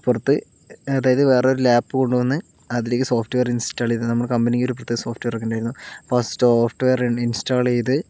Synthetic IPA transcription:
purɐt̪ːɨ | ɐðaːjɐðɨʋe̞ːreo̞ɾulaːpːɨko̞ɳɖuʋɐnːɨ | ɐðile̞ːkːɨsoːfʈʋejɐrinstaːɭejðɨnɐmːɐɭkɐmbɐnikʲːo̞ɾup̬urɐt̪ːɨsoːfʈʋejrɐkʲːeɳɖaːjiɾunːupɐsʈoːfʈʋejɐrinsʈaːɭejðɨ

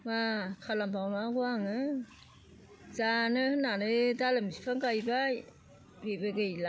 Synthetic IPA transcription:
makʰalampʰawnaɡuaŋɯ | zanɯhɯnanɯdalɯmispʰaŋɡajbaj | bebeɡɯjla

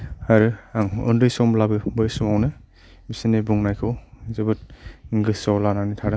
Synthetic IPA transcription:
haɾɯaŋɔndɾɯjsɔmlabɯbɯjsɔmawnɯ | bisinebuŋnajkʰɯwzɯbɯt̚ɡɯsawlananitʰaɾɯ

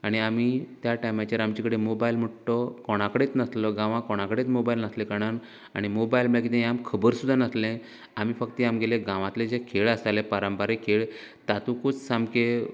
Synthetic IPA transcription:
aɽ̃iamit̪jaʈajmat͡ɕəɾamt͡ɕikəɽemobailm̤əʈʈɔkɔɽ̃akəɽet͡snət̪ləɡãʋãkɔɽ̃ãkəɽet͡smobajlnət̪lẽkaɽ̃an | a̰ɽ̃imobajlmɭakit̪ẽamkʰəbəɾsud̪ʱːanət̪lẽ | amifəkt̪iamɡelẽɡãʋãt̪lẽd͡ʑekʰeɭəsalẽpaɾəmpəɾẽkʰeɭ | t̪at̪ũkʰut͡ssamke

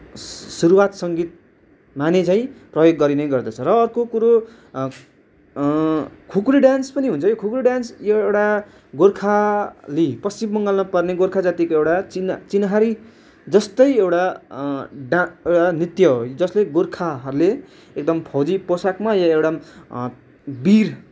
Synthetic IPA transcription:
suɾuwat̪sʌŋɡit̪̚ | manet͡sãĩprʌjoɡːʌɾineɡʌrd̪ʌt͡sʰʌɾʌːrkokuɾo | kʰukriɖanspʌniɦunt͡sʰʌjokʰukriɖjansjeewʈa | ɡorkʰalipʌst͡simːʌŋɡʌlnʌpʌrneɡorkʰad͡zat̪ikoewʈat͡sint͡sinaɦaɾi | d͡zʌst̪ʌjewʈa | ɖaewʈanrit̪jʌɦod͡zʌsleɡorkʰaɦʌɾule | ek̚d̪ʌmpʰʌwd͡ziposakmajʌewʈa | bir

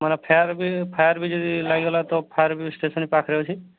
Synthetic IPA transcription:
manapʰaɾbipʰajəɾbʱid͡ʒɔd̪ilaɡiɦɔlat̪ɔpʰajəɾbisʈesɔnipakʰɾɛɦot͡ʃʰi

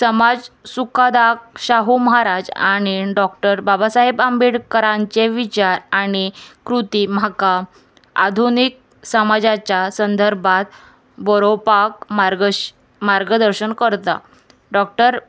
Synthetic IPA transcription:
səmad͡zsukʰad̪ak̚ɕaɦuməɦaɾad͡za̰ɽ̃iɖɔkʈəɾbabasaɦebambiɽkəɾãɲt͡seʋit͡ɕaɾaɽ̃ikɾut̪im̤aka | a̰d̪ʱunik̚ | səmad͡zat͡ɕasənd̪ʱəɾbʱat̪̚ | bəɾopakaɾ | maɾɡəd̪əɾɕənkəɾt̪a̰ | ɖɔk̚ʈəɾ

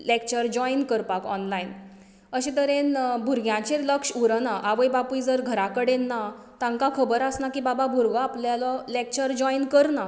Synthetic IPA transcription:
lekt͡ɕəɾd͡ʑɔjnkəɾpakɔ̰nlain | əɕet̪əɾenbʱuɾɡjãt͡ɕeləkʂuɾənaʔaʋəjbapujd͡zəɾɡʱəɾakəɽenːa | t̪ãŋkakʰəbəɾasnakibababʱuɾɡaapljalɔlek̚t͡ɕəɾd͡ʑɔinkəɾna

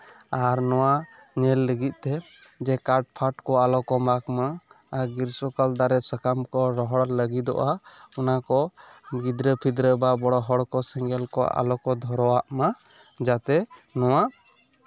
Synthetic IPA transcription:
aɾnɔwaɲɛlːəɡit̪̚ˀt̪ɛ | d͡ʒɛkaɾʈ̚pʰaʈkɔalɔkɔmakmaː | ɡiɾsɔkald̪aɾɛsəkamkɔɾɔɦɔɽləɡid̪ɔ̰ʔaɔnakɔɡid̪ɾəpʰid̪ɾəbabɔɽɔɦɔɽkɔsɛŋɡɛlkɔʔa̰lɔkɔd̪ʱɔɾɔwaʔma | d͡ʒat̪ɛnɔwa

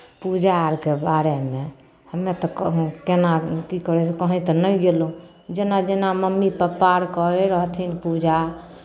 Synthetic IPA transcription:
pud͡ʒaɾkebaɾeme | həmːet̪ɔkenakikəɾɛsekəɦĩt̪ɔnəjɡelo | d͡ʒenad͡ʒenaməmːipəpaɾkəeɾəɦt̪ʰinpud͡ʒa

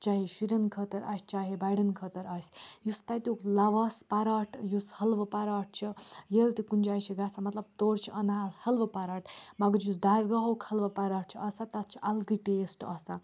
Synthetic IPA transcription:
t͡ʃaɦeʃiɾɐnkʰət̪ɐɾʔa̰ːsʲt͡ʃaːɦebajɽɐnkʰət̪ɐɾaːsʲjust̪at̪ʲuklaʋɐspaɾaːʈʰjushɐlʋɐpaɾaːʈ̚t͡ʃʰijelt̪ikund͡ʒaːjt͡ʃʰiɡasamɐt̪lɐb̚t̪oːɾt͡ʃʰiʔɐnashɐlʋɐpaɾaːʈmɐɡəɾjusd̪aɾɡaɦowkʰɐlʋɐpaɾaːʈ̚t͡ʃʰiɐsat̪ɐt̪t͡ʃʰi̥ʔɐlɡiʈeːsʈɐsa

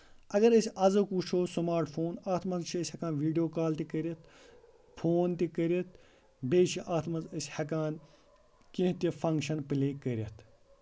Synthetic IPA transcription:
ɐɡɐɾəsʲɐzɐkuːt͡ʃʰoːsumaːɾʈpʰoːnaːt̪ʰmɐnzt͡ʃʰiːsʲhɐkãːnʋiːɖijoːkaːlt̪ikəɾʲɐt̪ʰ | pʰoːnt̪ikəɾʲet̪̚ʰ | beːt͡ʃʰiʔaːt̪ʰmɐnzəsʲhɐkaːn | kĩɦt̪ʲipʰɐŋkʃɐnpɨleːkəɾʲɐt̪ʰ

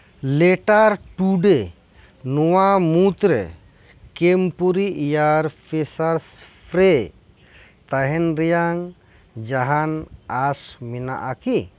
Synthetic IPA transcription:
lɛʈaɾʈuɖe | nɔwamut̪ɾɛ̰ | kempuɾiijaɾpʰɛsaɾspʰɾe | t̪aɦɛnɾɛjaŋ | d͡ʒaɦanasmɛna̰ʔaki

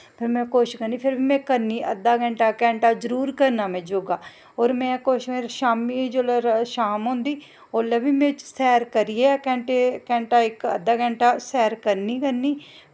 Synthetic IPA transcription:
pʰɪɾmɛ̃ːkoːʃkəɾniːpʰɪɾbʱiːmɛ̃ːkəɾniːʔə̰d̪aːɡɛ̃ːɳʈaːkɛ̃ːɳʈaːzəɾuːɾkəɾnaːmɛ̃ːd͡ʒoːɡaː | oːɾmɛ̃ːkoːʃmeːʃaːmiːd͡ʒoːlːɾʃaːmɦõːnd̪iː | oːleːbiːmɛ̃ːt͡ʃsɛːɾkəɾijekɛ̃ːɳʈekɛ̃ːɳʈaːɪkə̰d̪aːkɛ̃ːɳʈaːsɛːɾkəɾniːkəɾniː

